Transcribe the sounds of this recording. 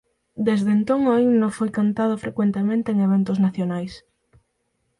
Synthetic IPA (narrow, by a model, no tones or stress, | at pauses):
d̪ezðent̪oŋainõfojkant̪að̞ʊfɾekwent̪emẽnt̪eeŋeβent̪ʊznaθjonajs